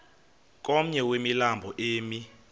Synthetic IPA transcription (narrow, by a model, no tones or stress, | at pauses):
k̬ʼɔm̩ɲɛwemilambʱɔʔeːmi